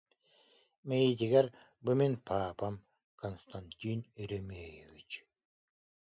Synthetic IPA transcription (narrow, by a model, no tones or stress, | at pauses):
mejit̪ʲiɡɛɾ | bɯmenʲpʰaːpam | kʰɔnst̪anʲt̪ʲiniɾemeːjevit͡ɕ